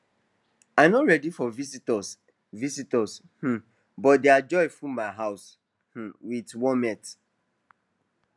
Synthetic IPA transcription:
aɪmnɔɹɛdifɔvisitɔs | visitɔz | h̩ | bɔt̚dead͡ʒɔɪfũmmaɪɦaʊs | h̩witwɔmɛt

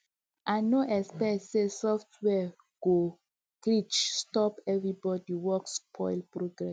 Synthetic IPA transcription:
ʔãnoʔɛkspɛsesɔftwɛ | ɡ̥o | klit͡ʃstɔpɛvɹibɔdiwɔkspʰɔjlpɹoɡɹɛs

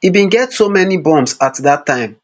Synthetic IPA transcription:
ibĩnɡɛtsomɛnibɔ̃msatðatʰːãɪ̃m

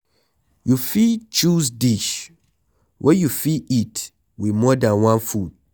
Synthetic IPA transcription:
jufit͡ʃus̬diʃ | wʔɛjufiit | wimɔdãnwãnfu

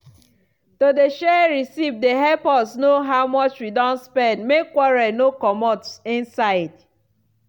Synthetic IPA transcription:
todeʃɛɹisivdeɦɛlpɔsnoɦaʊmɔt͡ʃwidɔ̃ntspɛ̃ndmekːwɔɹɛnokɔmɔtsĩnsaɪd̥

